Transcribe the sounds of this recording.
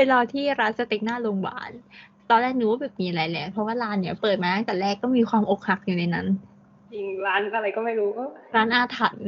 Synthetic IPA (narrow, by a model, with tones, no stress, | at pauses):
pe˧nɾa˧t̪ʰiː˥˩ɾaː˦˥nsa˧t̪e˨˩k̚naː˥˩lo˧ŋba̰ː˨˩˦nt̪ɔː˧nlɛː˥˩k̚nɯː˧˩waː˥˩bɛː˨˩p̚miː˧ʔa˧ɾa˧jlɛ˧˩pʰɾɔ˦˥waː˥˩laː˦˥nːi˦˩ɐ˨pɤː˨˩t̪̚maː˧aː˦˥˩ka˨˩lɛː˥˩kːɔː˥˩miː˧kʰwaː˧mʔo˨˩k̚ha˨˩k̚ju˨˩na˧jna˦˥n | t͡ɕi˧ŋlaː˦˥na˧ɾa˧jkɔː˥˩ma˥˩jɾuː˦˥kɔ˥˩ɾaː˦˥nʔaː˧t̪ʰa˨˩t̪̚